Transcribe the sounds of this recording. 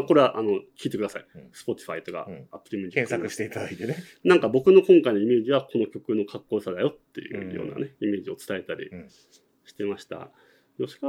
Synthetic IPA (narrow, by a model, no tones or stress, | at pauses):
ako̞ɾe̞βaʔano̞kʲiːt̪e̞kɯ̟d̪asaisɨ̥po̞t̪ʲi̥ɸait̪o̞ka̰ːpːɯ̥ɾʲimʲid͡ʑiẽssakɯɕi̥t̪eit̪ad̪ait̪enenãŋkabo̞kɯ̟no̞kõ̞ŋkainoime̞ːʑiβakʰo̞no̞kʲo̞kɯ̟no̞kakːo̞ːsad̪ajo̞t̪ːe̞̰jɯ̟̰jo̰ːna̰ne̞ime̞ːʑio̞t͡sɨ̥t̪ae̞t̪aɾʲḭ | ɕi̥t̪e̞maɕi̥t̪a̰ | joɕi̥ka